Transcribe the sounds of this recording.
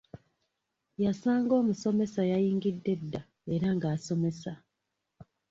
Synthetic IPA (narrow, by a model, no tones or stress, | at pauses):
jasaːŋɡo̞ːmuso̞me̞sajajiːŋɡidːe̞dːa | eɾaŋɡaːso̞me̞sa